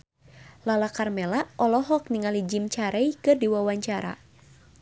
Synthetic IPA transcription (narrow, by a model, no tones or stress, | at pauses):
lalakarmɛlaʔɔlɔɦɔk̚niŋalid͡ʒimt͡ʃaɾɛjkɨrdiwawaɲt͡ʃaɾa̰